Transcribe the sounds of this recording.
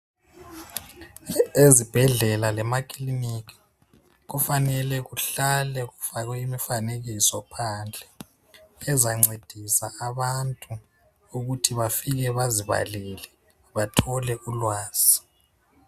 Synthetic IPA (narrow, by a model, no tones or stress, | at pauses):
ezib̥ʱɛɮɛlalɛmakʰʼilinikʰi̥ | ɣufanɛlɛɣuɬalɛɣufaɣwɛimifaneɣisɔpʰand͡ɮʱɛː | zaŋ͡ǀed̥ʱisaaβantʼu | uɣutʰiβafiɣɛβaziβa̰lɛlɛ | βatʰɔlɛʔulwaːz̥i